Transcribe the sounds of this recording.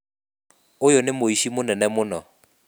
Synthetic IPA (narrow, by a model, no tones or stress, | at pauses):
ʊjʊnɪmoiʃimʊnɛnɛmʊnɔ